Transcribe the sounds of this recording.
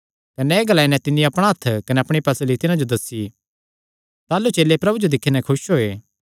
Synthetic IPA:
kɐneːɡɐlaːinɛ̃t̪ɪnːĩɐpɽ̃aɦɐt̪ʰːkɐnɛɐpɽ̃ipɐslit̪ɪnãd͡ʒod̪ɐsːi | t̪aːlːut͡ʃeːlːepɾɐbud͡ʒod̪ɪkʰːenɛ̃kʰʊʃɦoːeː

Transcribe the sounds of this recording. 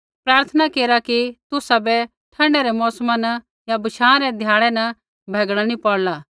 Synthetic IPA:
pɾaːɾt̪ʰənakeːɾakit̪ʊsabɛ | ʈʰɐɖɛɾɛmɔːsmãnɐ | jabɐʃʰãːãɾɛd̪ʱjaːɭ̃ɛnɐ | bʱɛːɡɽ̃anipɔɽlaː

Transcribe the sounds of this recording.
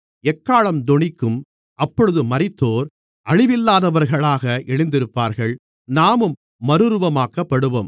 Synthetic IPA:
ɛkːaːɭɐmd̪ɔɳɪkːɯm | ʔɐpːɔɻɯðɯmɐɾɪt̪ːoːɾ | ʔɐɻɪʋɪlːaːðɐʋɐɾɣɐɭaːɣɐʔɛɻɪnd̪ɪɾɯpːaːɾɣɐɭ | naːmɯmː | ɐɾɯɾɯʋɐmaːkɐpːɐɽɯʋoːm

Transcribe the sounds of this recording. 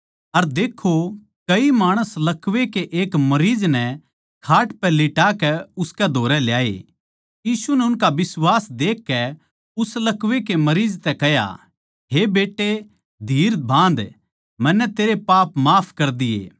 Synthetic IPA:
ɐɾd̪eːkʰo | kɐimaːɽ̃əslɐkʋekeʔeːkmɐɾiːd͡ʒnɛ | kʰaːʈpɛlɪʈakɛʊskɛd̪ʱoːɾɛljaːḛ | jiːsunɛʊnkaʋɪswaːsd̪eːkːɛ | ʊslɐkʋek̬emɐɾiːd͡ʒt̪ɛkɛɦja̰ | ɦebeːʈːe | d̪ʱiːɾbʱãːn̆d̪ | mɛnːɛt̪eːɾepaːpmaːpʰkɐɾd̪ɪjḛː

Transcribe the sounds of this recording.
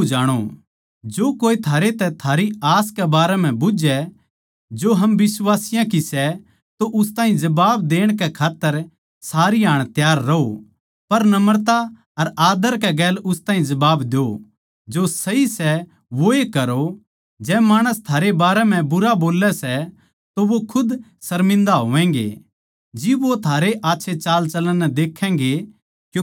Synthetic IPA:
d͡ʒaːɽ̃o̰ | d͡ʒoːkoːit̪ʰaːɾet̪ɛt̪ʰaːɾiaːskɛbaːɾɛm̤ɛ̃bʊd͡ʒɛ | d͡ʒoːɦɐmʋɪsʋaːsɪjãkisɛ | t̪oʔʊst̪ãːĩd͡ʒɐbaːb̚d̪eːɽ̃kɛkʰaːt̪ːəɾ | saːɾiɦaːɽ̃t̪jaːɾːɐɦo | pɐɾnɐməɾt̪a | ɐɾaːd̪əɾk̬ɛɡɛːlʊst̪aːɦĩd͡ʒɐbaːbd̪eo | d͡ʒosɐisɛ | ʋoekɐɾo | d͡ʒɛːmaːɽ̃əst̪ʰaːɾebaːɾɛm̤ɛ̃bʊɾaboːlːɛsɛ | t̪oʋokʰʊd̪ | sɐɾmɪ̃nd̪aɦoːʋɛ̃ːŋ̆ɡḛ | d͡ʒɪbʋot̪ʰaːɾeʔaːtːʃʰet͡ʃaːlt͡ʃɐlənːɛd̪eːkʰɛ̃̆ːɡe | kjõ

